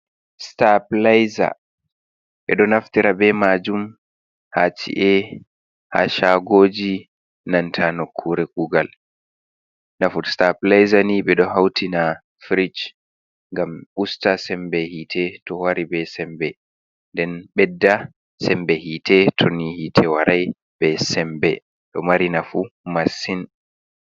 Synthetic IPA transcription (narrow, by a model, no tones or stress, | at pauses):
staplajza̰ | ɓɛɗɔnaftiɾabɛmad͡ʒum | hat͡ʃḭʔɛ | ha̰ʃaɡoːd͡ʒi | nantʰanokʰːuɾɛkuɡal | nafutstaplajzaniɓɛɗɔhawtʰina | fɾid͡ʒ | ŋɡamɓustasɛmbɛhiːtʰɛtɔwaɾibɛsɛmbɛ | ndɛnɓɛdːa | sɛmbɛhiːtʰɛtʰɔnihitʰɛwaɾaj | bɛsɛmbɛ | ɗɔ̰maɾinafumasin